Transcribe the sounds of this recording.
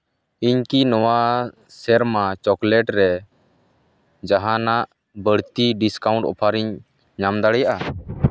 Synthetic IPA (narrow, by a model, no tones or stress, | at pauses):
iɲkinɔwa | sɛɾmat͡ʃɔklɛʈɾɛ | d͡ʒaɦanaʔ | bəɽt̪iɖiskaũɳʈɔ̰pʰaɾiɲ | ɲamd̪aɽɛjaʔa